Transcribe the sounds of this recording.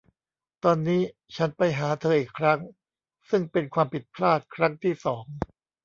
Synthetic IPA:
t̪ɔː˧nːiː˦˥t͡ɕʰa˦˥npa˧jɦaː˩˦t̪ʰɤː˧ʔiː˨˩kʰɾa˦˥ŋ | sɯ˥˩ŋpe˧nkʰwaː˧mpʰi˨˩t̪̚pʰlaː˥˩t̪̚kʰɾa˦˥ŋt̪ʰiː˥˩sɔː˩˦ŋ

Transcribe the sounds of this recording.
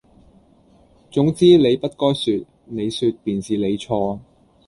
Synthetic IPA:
t͡sʊ˨˥ŋt͡siː˥le˨˧jpɐ˥t̚kɔː˥jsyː˧t̚ | ne˨˧jsyː˧t̚piː˨nsiː˨le˨˧jt͡ʃʰɔː˧

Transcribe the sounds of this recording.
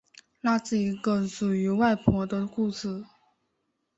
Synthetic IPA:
la˥t͡sɹ̩˥˩i˧˥ɡə˧˩ʂu˨˩y˧˥wa˥˩ɪpʰwɔ˧˥d̪ə˧ku˥˧ʂɹ̩˥˩

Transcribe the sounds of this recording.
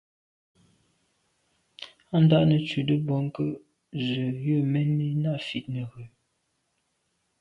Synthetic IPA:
a˦n˦da˦ʔnə˨t͡ʃʉ˨də˦bɔ˨ŋ˦kə˦ | zə˨jə˦˨mɛ˦nːi˦na˦˨fi˨t̚nə˨ɣʉ˨

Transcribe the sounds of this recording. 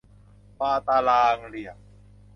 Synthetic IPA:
pa˧t̪a˧laː˧ŋli˨a˩

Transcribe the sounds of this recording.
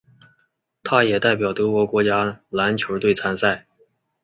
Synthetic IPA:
t̪ʰa˥jɛ˨˩t̪a˥˩ɪp̬jɑ˨˩ʊt̪ɤ˧˥kwɔ˧˥kwɔ˧˥t͡ɕja˥la˧˥nt͡ɕʰjo˧˥ʊt̪we˥˩ɪt͡sʰa˥nsa˥˩ɪ

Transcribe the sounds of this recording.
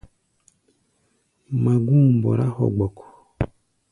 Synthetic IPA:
ma˨ɡũ˦˨bɔ̰˨ɾa˦hɔ̰˨ɡ͡bɔ˨kɔ̥˨

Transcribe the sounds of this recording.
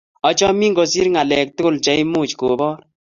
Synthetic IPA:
ɔ˨t͡ʃɔ˦mi˦ŋɡo˨si˦ɾŋa˨lɛ˨k̚tʊ˦kʊ˦˨lt͡ʃɛ˦i˦mu˦˨t͡ʃko˨bɔ˦ɾ

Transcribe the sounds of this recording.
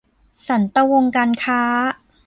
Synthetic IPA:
sa˩˦nt̪a˧wo˧ŋkaː˧nkʰaː˦˥

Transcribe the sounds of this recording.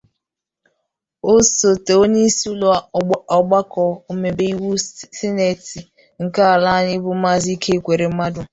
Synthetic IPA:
o˦so˨te˨o˦ne˦su˦lo˦a˦˨˦ɔ˨ɡ͡ba˦kɔ˨o˦me˨be˦i˦wu˦si˦ne˨ti˨ | ŋ̩˨ka˦a˨la˦ɲɪ˦bʊ˦ma˦zi˦kʰe˦kʷe˨ɾe˨m̩˦ma˦dʊ˨

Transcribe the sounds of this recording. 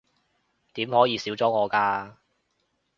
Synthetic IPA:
t̪iː˨˥mhɔː˨˥jiː˨˧siː˨˥wt͡sɔː˨˥ŋɔː˨˧kaː˧

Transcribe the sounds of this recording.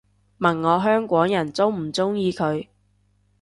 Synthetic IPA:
mɐ˨˩nŋɔː˨˧ɦœː˥ŋkʷɔː˨˥ŋjɐ˨˩nt͡sʊ˥wm̩˨˩t͡sʊ˥ŋjiː˧kʰɵ˨˧ɥ

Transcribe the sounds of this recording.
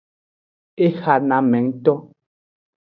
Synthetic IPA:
e˦xa˨na˨mɛ˨˦ŋ˦tɔ˦

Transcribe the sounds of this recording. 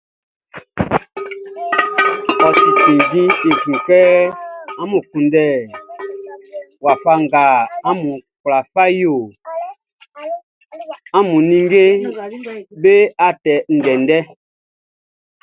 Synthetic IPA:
ɔ˨si˨tĩ˨ɡĩ˦e˨ɡũ˨kɛ˦a˦mũ˨kũ˨ndɛ˦˨ | wa˨fa˦ŋ˨ɡa˨a˦mũ˨kla˨fa˦jo˨ | a˦mũ˨nĩ˦ŋɡe˦ | be˦a˦˨tɛ˨n̩˨dɛ˨ndɛ˦

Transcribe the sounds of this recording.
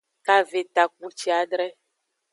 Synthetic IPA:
ka˨ve˨t̪a˨k̚u˦t͡ʃi˦a˨ɖɾɛ˦

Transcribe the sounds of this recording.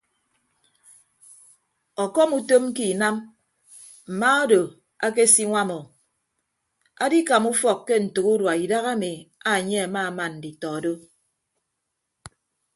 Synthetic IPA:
ɔ˨kɔ˦mu˦to˦m˦ki˨na˦m | m̩˨ma˦o˦do˨ | a˦ke˦si˦ŋʷa˦mɔ˨ | a˦di˦ka˨mu˦fɔ˨kːe˦n̩˨tu˨ku˦dwa˨i˨da˦ɣa˦mi˨a˨ɲe˦a˨ma˦˨ma˨n̩˨di˨tɔ˨do˦

